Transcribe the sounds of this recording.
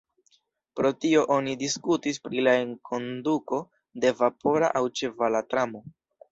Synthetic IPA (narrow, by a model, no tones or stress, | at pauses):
pɾo̞tio̞ʔo̞nidiskutispɾilaeŋkʰo̞nduko̞ | de̞vapo̞ɾa̰ʔawt͡ʃe̞valatɾamo̞